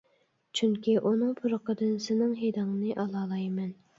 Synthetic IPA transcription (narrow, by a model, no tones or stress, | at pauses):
t͡ʃʰyŋkʲʰiʔunɨŋpʰuɾəqəd̪ɨnsɪnɪŋɦed̪ɨŋnɨʔɑlˠɑːlˠɑjmɛn